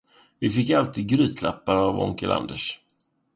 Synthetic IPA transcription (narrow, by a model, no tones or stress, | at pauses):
vɪfɪkːalt̪ʰiːd̪̚ɡɾyːt̪ʰla̰pːaɾavɔ̰ŋkəlʔa̰nd̪əʂ